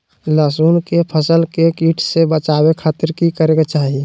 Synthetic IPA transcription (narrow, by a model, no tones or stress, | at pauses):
laːsuːnkepʰəsəlkekiːʈʰsebət͡ʃaːwekʰaːt̪əɾkikəɾeɡat͡ʃaːɦie